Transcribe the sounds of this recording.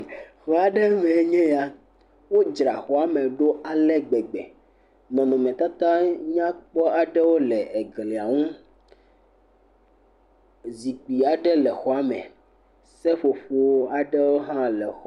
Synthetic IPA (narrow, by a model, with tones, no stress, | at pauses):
xɔ˦a˨ɖɛ˦mɛ̃˨˦ɲɛ̃˦ja˦ | wo˦d͡ʒɾa˨xɔ˨a˦mɛ̃˨ɖo˦ʔa˨lɛ˦ɡ͡bɛ˨ɡ͡bɛ̰˨ | nɔ̃˨nɔ̃˨mɛ̃˨t̪a˦t̪ã˦ɲã˦k͡pɔ˦a˨ɖɛ˦wo˦lɛ˨ʔe˨ɡle˨a˨ŋũ˦ | zi˨k͡pi˨a˨ɖɛ˦lɛ˨xɔ˨a˦mɛ̰̃˨ | sɛ˦ɸo˨ɸo˦a˨ɖɛ˦wo˦ɦã˦lɛ˨xɔ˨